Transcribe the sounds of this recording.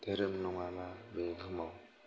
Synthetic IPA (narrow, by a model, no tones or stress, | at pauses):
d̪̥eɾɯmnɔŋamabeɡʱɯmaw